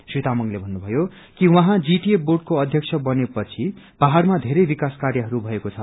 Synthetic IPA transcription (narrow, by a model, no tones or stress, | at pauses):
srit̪amʌŋlebʱʌnːubʱʌjo | kiwʌɦãd͡ziʈieboɖ̚koʌd̪ʱjʌkt͡sʰʌbʌnepʌt͡sʰi | b̥aɦarmad̪ʱeɾʌjbikaskarjʌɦʌɾubʱʌekot͡sʰʌ